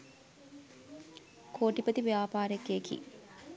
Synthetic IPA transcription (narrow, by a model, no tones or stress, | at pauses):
kʰoːʈipət̪iʋjaːpaːɾekekḭ